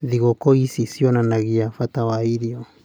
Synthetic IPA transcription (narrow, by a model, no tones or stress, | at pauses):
ðiɣɔkɔisisiɔnanaɣiafatawaiðiɔ